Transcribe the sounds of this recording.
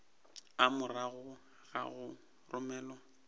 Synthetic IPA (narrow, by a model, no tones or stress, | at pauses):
amʊraɣʊ | ɣa̰ɣʊ | rʊmɛːlɔ